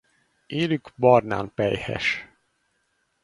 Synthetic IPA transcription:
eːlyɡbɒrna̰ːnpɛjhɛ̰ʃ

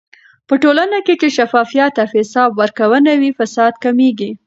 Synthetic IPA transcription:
pəʈolanaket͡ʃeʃafɑfijat̪ːafɪsɑbwəɾkawənawifasɑd̪kameɡi

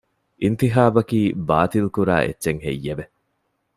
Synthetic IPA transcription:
ʔint̪iɦaːbɐkiːbaːt̪ilkuɾa̰ːʔḛtːʃeŋɦḛjːebe

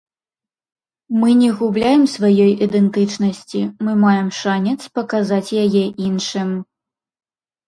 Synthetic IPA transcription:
mɨnʲɛɣublʲajɛmsvajɔjʔid̪ɛnt̪ɨt͡ʂnɐsʲt͡sʲimɨmajɛmʂanʲɛt̪spɐkazat͡sʲjajɛʔinʂɨm

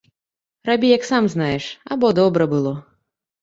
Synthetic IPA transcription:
rabʲijɐksamznajɛʂa̰bɔd̪ɔbɾɐbɨlˠɔ

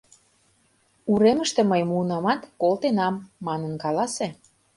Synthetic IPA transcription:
uɾemə̆ʃt̪ĕməjmuənɑmɑt̪kolˠt̪enɑmːɑnə̆nkɑlɑse

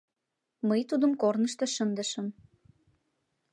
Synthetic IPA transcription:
məjt̪ud̪əmkornəʃt̪eʃənd̪əʃəm

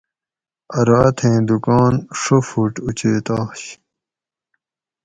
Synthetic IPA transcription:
ɐɾat̪ʰẽːd̪ukɑːnʂofuʈut͡ɕeːt̪aːɕ

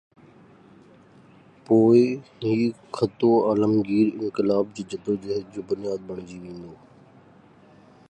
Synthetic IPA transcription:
poːɪiːkʰət̪oːaːləmɡiːɾɪ̰̃ŋkɪlaːb̚d͡ʑiːd͡ʑɐbɾod͡ʒ̪eɦət̪̚d͡ʑoːbʊnɪjaːd̪̚bəɳ̃d͡ʑiːʋẽːn̆d̪oː

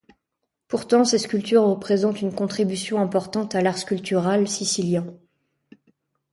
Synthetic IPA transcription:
puʁt̪ɑ̃sɛskʲylt̪yʁːəpχezɑ̃t̪ynkɔ̃t̪χibysjɔ̃ɛ̃pɔʁt̪ɑ̃t̪alaʁskʲylt̪yʁalsisiljɛ̃

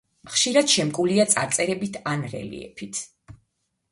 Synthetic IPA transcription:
χʃiɾad̪̥ʃɛmkʼuliat̪sʼa̰ɾt̪sʼɛɾɛbit̪ʰanɾɛ̰lḭɛ̰pʰit̪ʰ

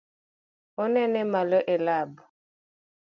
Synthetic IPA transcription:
onɛnɛmalɔʔelab

